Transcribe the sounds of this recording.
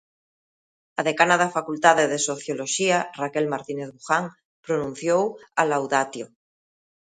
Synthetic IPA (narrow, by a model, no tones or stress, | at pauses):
aðekanaðafakult̪að̞eðesoθjoloʃiarakelmaɾt̪ineθβuxaŋ | pɾonũn̟θjowalawðat̪jo